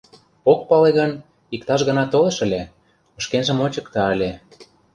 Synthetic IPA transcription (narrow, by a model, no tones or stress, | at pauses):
ok̚pɑleɣən | ikt̪ɑʃɣə̆nɑt̪olɤ̆ʃə̆lʲe | ə̆ʃkenʒə̆mot͡ɕə̆kt̪ɑəlʲe